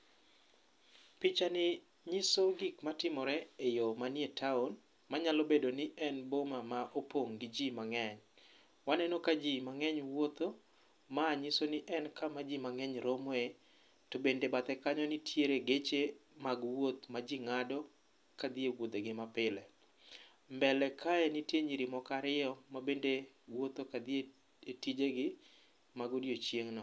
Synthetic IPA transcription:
pɪt͡ʃanɪ | ɲɪsoɡɪkmatɪmɔɾɛejomanietʰaɔn | maɲalobedonɪʔɛnbomamaʔopoŋɡɪd͡ʒimaŋɛɲ | wanɛnokad͡ʒimaŋɛɲwot̪o | maːɲɪsonɪʔɛnkamad͡ʒimaŋɛɲɾomɔe | tobendebat̪ɛkaɲɔnɪtʰjeɾeɡet͡ʃemaɡwot̪mad͡ʒiŋadɔ | kad̪iewod̪eɡɪmapɪlɛ | mbɛlɛkʰaɛnɪtjeɲiɾimɔkaɾɪɔmabende | wot̪okad̪ie | etid͡ʒeɡɪ | maɡodjot͡ʃjeŋnɔ

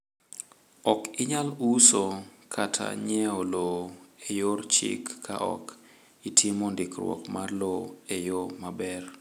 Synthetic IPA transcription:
ɔkɪɲalusokʰatʰa̰ɲɛoloejort͡ʃɪ̰kːʰa̰ʔɔ̰k | itʰimɔndɪkrwɔ̰kmarloejomabɛr

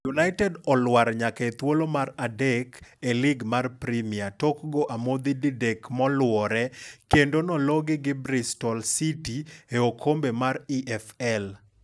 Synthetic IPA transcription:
junaɪtɛdɔlwaɾɲaket̪wolomaɾadekelɪɡmarpɾimiatɔkɡoʔamod̪ididekmɔlwɔɾɛkendonɔlɔɡɪɡɪbɾɪstɔlsitieokʰombemaɾiʔɛfɛl

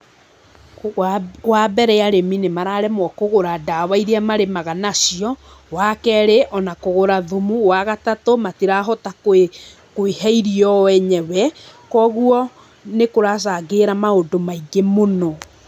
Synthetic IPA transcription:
wabɛɾɛjaɾeminemaɾaɾɛmwɔkoɣoɾadawaiɾiamaɾemaɣanasiɔ | wakɛɾeʔɔnakoɣoɾaðomuwaɣatatomatiɾaɦɔtak | koehɛiɾiɔwɛɲɛwɛkɔɣuɔ | nekoɾas̬aɡeɾamaodomaiɡemonɔ

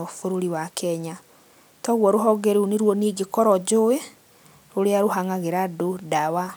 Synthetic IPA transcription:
ofoɾoɾiwakʰɛɲa | tɔɣwɔɾoɦɔɡɛɾuneɾwɔneːɡekɔɾɔd͡ʑoe | ɾoɾeaɾoɦaŋaɣeɾadodawa

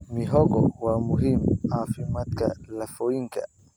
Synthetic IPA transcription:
miɦɔɡɔ̰wamuɦimafimat̪̚ka̰lafɔiŋɡa̰

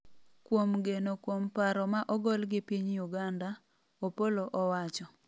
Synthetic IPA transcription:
kwomɡenokwompaɾɔmaʔɔɡɔlɡɪpiɲjuɡanda | opoloʔɔwat͡ʃɔ

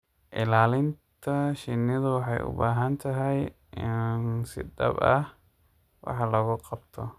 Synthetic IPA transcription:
ʔɪlaːlɪnt̪ʰɐʃɪnːɪðɐwɑħɑjʔʊ̰baːɦɐnt̪ʰɐɦɛj | ɪnnsɪ̰d̪ɐ̰bɐh | wʔɑ̰ħɑlɐɣʊqɑbt̪ʰɔ

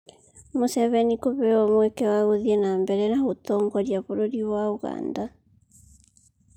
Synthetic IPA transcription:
mosɛβɛnikoβɛɔmwɛkɛwaɣoðiɛnambɛɾɛnahotɔŋɡɔɾjaβoɾoɾiβwauɣa̰nda

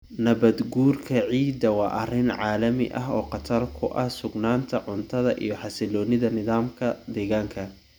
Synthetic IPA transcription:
nɐβɐd̪ɡuːrkʰɐʕiːd̪ɐwɑːʔɐrɪnʕaːlɐmɪ̰ʔɐɦɔːqɑt̪ʰɐrkʰʊʔɐhsʊɡnaːnt̪ʰɐʕʊnt̪ʰɐðɐʔḭjɞħɑsɪlɔːnɪðɐnɪðaːmkʰɐd̪ɛːɣaːŋkʰɐ

